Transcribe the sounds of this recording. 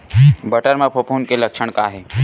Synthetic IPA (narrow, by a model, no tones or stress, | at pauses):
bəʈəɾmãpʰopuːnkeləkʃəɽ̃kaɦe